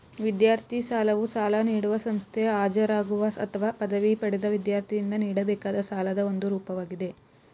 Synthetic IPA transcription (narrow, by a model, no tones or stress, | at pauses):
ʋid̪jaːɾt̪ʰisaːlɐʋusaːlɐniːɽuʋɐsɐmst̪ʰɛjɐaːd͡ʒɐɾaːɡuʋɐɐ̰t̪ʰɐʋaːpɐd̪ɐʋipɐɽɛd̪ɐʋid̪jaːɾt̪ʰijind̪ɐniːɽɐbɛːkaːd̪ɐsaːlɐd̪ɐo̞nd̪uɾuːpɐʋaːɡid̪e̞